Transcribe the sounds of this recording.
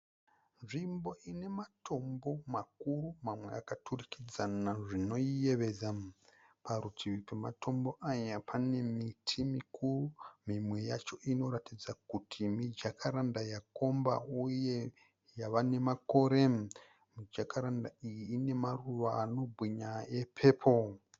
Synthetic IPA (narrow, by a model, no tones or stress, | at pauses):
nʐimbo̞ine̞matʰo̞mbo̞makurumamwe̞̰akatʰurikid͡zanaʐino̞ije̞ʋe̞d͡za | pʰaɾutʰiʋikematʰo̞mbo̞ʔajapʰane̞mitʰimikʰurumimwe̞jat͡ʃo̞ʔino̞ratid͡zakutʰimid͡ʒakʰaɾandajako̞mba̰uje̞ | jaʋane̞mako̞ɾe | mid͡ʒakaɾandaijiːne̞maruʋaːno̞bʱwiɲaje̞pʰe̞ːpʰo̞